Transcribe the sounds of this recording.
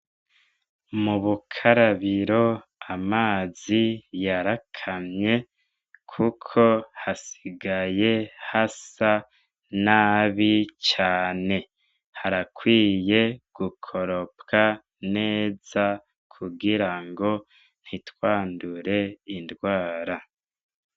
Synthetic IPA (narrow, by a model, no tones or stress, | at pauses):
muβukʰaɾaβiɾo̞amaːzijaɾakʰamɲe̞ | kʰukʰo̞hasiɡaje̞hasa | naːβit͡ʃaːne̞ | haɾakwiːje̞ɡ̥ukʰo̞ɾo̞pka | ne̞ːz̥a | kʰuɡiɾaŋɡo̞ | n̥hitwaːnduɾe̞indwaːɾa